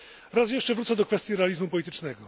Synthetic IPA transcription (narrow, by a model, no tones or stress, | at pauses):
ɾas̬jɛʂt͡ʂɛvɾut̪ɛd̪ɔkfɛst̪ʲjiɾɛalʲizmupɔlʲit̪ɘt͡ʂnɛɡɔ